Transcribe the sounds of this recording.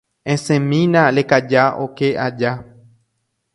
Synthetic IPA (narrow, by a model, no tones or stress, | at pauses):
ẽsẽmĩnãlekad͡ʒao̰keʔad͡ʒa